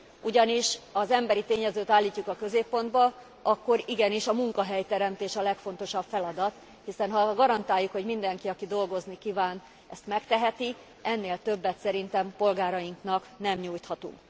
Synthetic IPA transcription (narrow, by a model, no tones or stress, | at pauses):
uɟɒniʃɒzɛmbɛɾit̪eːɲɛzøːt̪aːlːiːcːukɒkø̞zeːpːo̞nd̪bɒ | ɒkːo̞ɾiɡɛniʃɒmuŋkɒɦɛjt̪ɛɾɛmt̪eːʃɒlɛkfo̞n̪t̪o̞ʃɒpfɛlɒd̪ɒt̪ | hisɛnɦɒɡɒɾɒnt̪aːjːukho̞ɟmind̪ɛŋkiɒkid̪o̞lɡo̞znikivaːn | ɛst̪mɛkt̪ɛɦɛt̪i | ɛnːeːlt̪ø̞bːɛt̪sɛɾint̪ɛmpo̞lɡaːɾɒjiŋknɒknɛmɲuːjt̪hɒt̪ṵŋk